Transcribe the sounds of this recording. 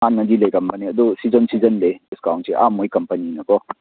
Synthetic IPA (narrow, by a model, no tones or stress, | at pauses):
anːɐdilejkɐmbaniɐd̪usizənsizɐnlediskawnseʔamojkɐmpɐninɐkɔ